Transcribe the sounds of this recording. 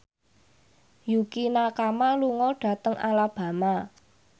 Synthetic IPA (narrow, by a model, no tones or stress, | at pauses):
jukinakamaluŋɔɖ̥ä̤t̪əŋʔa̰lab̥ä̤ma